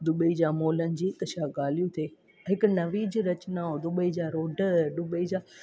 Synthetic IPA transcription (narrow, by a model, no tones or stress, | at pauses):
d̪ʊbəid͡ʑaːmoːlənɪ̆d͡ʑiːkɐʃʰaɡaːl̤ijũt̪ʰeː | ɦɪkʊ̆nɐʋiːd͡ʑɾɐt͡ɕɪnaod̪ʊɓəid͡ʑaːɾoːɖəɗʊbəid͡ʑaː